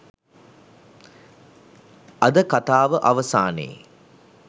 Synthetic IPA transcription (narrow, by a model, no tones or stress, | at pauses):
ɐd̪əkat̪aːʋəʔɐʋəsaːnḛː